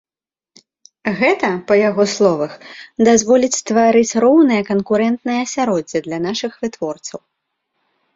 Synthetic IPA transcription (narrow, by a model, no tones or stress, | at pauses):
ɣɛt̪ɐpɐjaɣɔslˠɔvɐxd̪azvɔlʲit͡sʲst̪vaɾɨt͡sʲrɔwnɨjɐkɐnkuɾɛnt̪nɨjɐːsʲaɾɔd͡zʲːid̪lʲɐn̪aʂɨxvɨt̪vɔrt̪sɐw